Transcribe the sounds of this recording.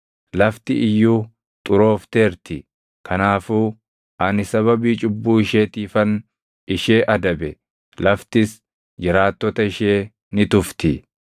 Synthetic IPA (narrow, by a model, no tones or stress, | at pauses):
lɐft̪ɪʔɪjːuː | t̪ʼʊɾo̞ːft̪eːɾt̪ɪ | kʰɐnaːfuː | ʔɐnɪsɐβɐbiːt͡ʃʼʊbːuːɪʃeːt̪iːfɐn | ɪʃe̞ːʔɐd̪ɐbɛ | lɐft̪ɪs | d͡ʒɪɾaːt̪ːɔt̪ɐɪʃeː | nɪt̪ʊft̪ɪ